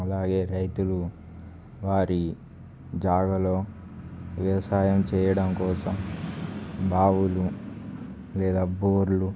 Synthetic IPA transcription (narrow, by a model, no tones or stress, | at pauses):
ɐlaːɡe̞ːɾɐjt̪ulu | ʋaːɾi | d͡ʒaːɡɐlo̞ː | ʋɐʋɐsaːjɐmt͡ʃɛːjɐɽɐmkɔːsɐm | bʱaːʋulu | lɛːd̪aːboːɾlu